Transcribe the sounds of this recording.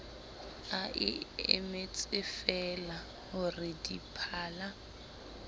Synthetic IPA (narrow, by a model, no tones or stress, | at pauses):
aʔɪ̰ɪ̰met͡sʼɪfɛla | ɦʊrɪdipʰaːla